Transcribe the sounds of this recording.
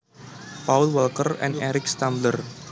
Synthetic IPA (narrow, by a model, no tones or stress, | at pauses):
pawlwɛlkərɛ̰̃nɛɾɪkst̪ãmblər